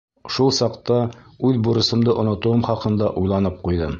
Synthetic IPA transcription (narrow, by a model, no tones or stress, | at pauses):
ʃulˠsɑqt̪ɑ | ʉðbuɾɤ̆sɤ̆md̪ɤʔŏnŏt̪uɤmχɒqɤ̆nd̪ɑʔujlˠɑnɤp̚qujd̪ɤm